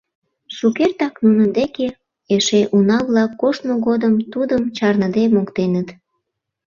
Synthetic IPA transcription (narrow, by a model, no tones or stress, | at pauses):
ʃukert̪ɑknunənd̪eke | eʃeʔunɑβlɑkːoʃnoɣod̪əmt̪ud̪əmt͡ɕɑrnəd̪emokt̪enət̪